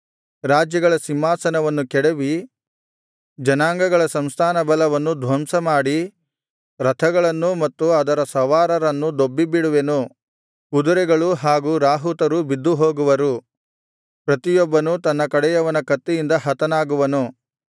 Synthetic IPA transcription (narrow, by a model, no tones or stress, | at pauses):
ɾaːd͡ʒjɐɡɐɭɐsimːaːsɐnɐʋɐnːukɛɽeʋi | d͡ʒɐnaːŋɡɐɡɐɭɐsɐmst̪ʰaːnɐbɐlɐʋɐnːud̪ʱʋɐmsɐmaːɽi | ɾɐt̪ʰɐɡɐɭɐnːumɐt̪ːuɐd̪ɐɾɐsɐʋaːɾɐɾɐnːud̪obːibiɽuʋenu | kud̪uɾɛɡɐɭuɦaːɡuɾaːɦut̪ɐɾubid̪ːuɦo̞ːɡuʋɐɾu | pɾɐt̪ijɔbːɐnut̪ɐnːɐkɐɽɛjɐʋɐnɐkɐt̪ːijind̪ɐɦɐt̪ɐnaːɡuʋɐnu